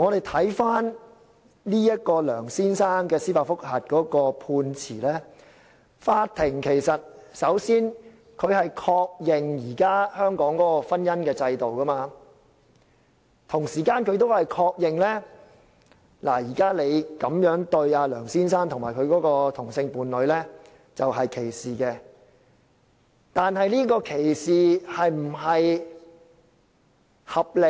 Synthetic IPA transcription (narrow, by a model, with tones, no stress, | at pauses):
ŋɔː˨˧d̪e˨jt̪ʰɐ˨˥jfaː˥n | liː˥jɐ˥t̚kɔː˧lœː˨˩ŋsiː˥nsaː˥ŋkɛː˧siː˥paː˧˩fʊ˥k̚hɐ˨t̚kɔː˨˥kɔː˧pʰuː˧nt͡sʰḭː˨˩lɛː˥ | faː˧t̪ʰɪ˨˩ŋkʰe˨˩jsɐ˨t̚sɐ˨˥wsiː˥n | kʰɵ˨˧ɥhɐ˨jkʰɔː˧k̚jɪ˨ŋjiː˨˩kaː˥hœː˥ŋkɔː˨˥ŋkɔː˨˥kɔː˧fɐ˥njɐ˥nkɛː˧t͡sɐ˧jt̪o˨wkɐ˥maː˧ | t̪ʰʊ˨˩ŋsiː˨˩kaː˧nkʰɵ˨˧ɥt̪o˥whɐ˨jkʰɔː˧k̚jɪ˨ŋlɛː˥ | laː˨˩jiː˨˩kaː˥le˨˧jkɐ˨˥mjœː˨˥ŋt̪ɵ˧ɥaː˧lœː˨˩ŋsiː˥nsaː˥nt̪ʰʊ˨ŋmaː˨˩kʰɵ˨˧ɥkɔː˨˥kɔː˧t̪ʰʊ˨˩ŋsɪ˧ŋpuː˨nlɵ˨˧ɥlɛː˥ | t͡sɐ˨wɦɐ˨jkʰe˨˩jsiː˨˩kɛː˧ | t̪aː˨˧nhɐ˨jliː˥kɔː˧kʰe˨˩jsiː˨hɐ˨jm̩˨˩ɦɐ˨j | hɐ˨p̚lɪ˨